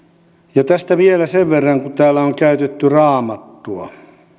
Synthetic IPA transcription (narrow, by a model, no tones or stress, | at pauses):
jɑt̪æst̪æʋielæseʋʋerːɑŋkut̪æːlːæoŋkæyt̪et̪ːyrɑːmɑt̪ːuɑ̰